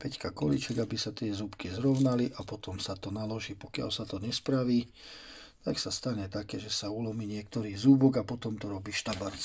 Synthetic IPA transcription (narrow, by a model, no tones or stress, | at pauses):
pɛckakɔlit͡ʃɛɡabisat̪ɪɛzupkizɾɔʊnaliʔapɔt̪ɔmsat̪ɔnalɔʒiːpɔkɪa̰lsat̪ɔɲɛspɾaʋiː | t̪aksast̪aɲɛt̪akɛːʒɛsaulɔmiːɲɪɛkt̪ɔɾiːzubɔɡapɔt̪ɔmt̪ɔɾɔbiːʃt̪abaɾt͡s